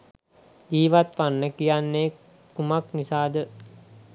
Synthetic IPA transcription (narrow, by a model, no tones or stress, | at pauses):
d͡ʒiːʋat̪ʋanːəkijanːeː | kumaknisaːd̪ə